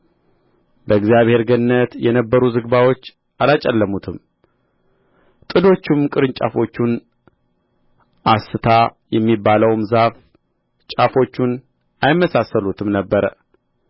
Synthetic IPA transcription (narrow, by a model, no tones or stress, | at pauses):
bəɨɡzijaβhe̞ɾɡənnːət̪jɛnəbːəɾuzɨɡbawo̞t͡ʃː | ʔalat͡ʃʼɛlːəmut̪ʰɨm | t̪ʼɨd̪o̞t͡ʃːɪmkʼɨɾɨnt͡ʃʼa̰fo̞t͡ʃːun | ʔasɨt̪ʰajɛmːibːaləwmzaf | t͡ʃʼafo̞t͡ʃːun | ʔajɪmːəsasːəlut̪ʰɨmnəbːəɾə̰